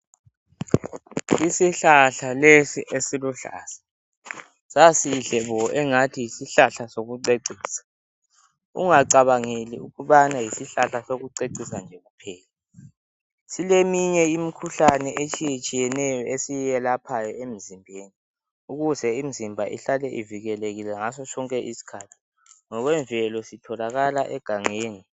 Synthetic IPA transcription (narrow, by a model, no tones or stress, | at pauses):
isiɬaɬalesiʔesiluɬa̰ːsḁ | sasiɮɛβɔʔɛŋatʰijisiɬaɬasoɣuǀeǀʱiːsḁ | ṵŋaǀaβaŋeliuɣuɓanajisiɬaɬasoɣuǀeǀisand͡ʒʱɛɣupʰɛːla | silemiɲɛimikʰuɬanɛet͡ʃʼijet͡ʃʼijɛnɛjɔesijjɛlapʰajɔem̩zimbʱeːni | uɣuzɛim̩zimbʱaʔḭɬalɛʔiviɣɛleɣilɛŋasɔt͡ʃʰʼɔŋkʼɛʔisi̥kʰaːtʰi̥ | ŋɔɣwɛɱvʱɛlɔsitʰɔlaɣalaʔɛɡ̥ʱaŋeːŋi